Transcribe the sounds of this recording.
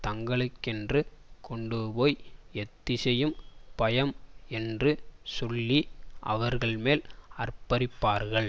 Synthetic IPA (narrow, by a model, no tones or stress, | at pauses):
t̪ɐŋɡɐɭɯkːɛndrɯkʰɔɳɖɯpoːjɛt̪ːɪsɛjɯmpɐjɐmɛndrɯsɔlːiʔɐ̰ʋɐɾɣɐɭmeːlɐrpɐɾɪpːaːɾɣɐɭ